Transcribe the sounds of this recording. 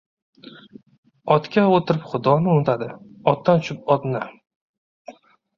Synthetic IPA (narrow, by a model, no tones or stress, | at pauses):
ɒt̪kʲaot̪ʰɪɾɪpχʊd̪ɒnɪʊnɪt̪ʰad̪ɪɒt̪̚d̪ant͡ʃʰɪp̚ɒd̪nɪ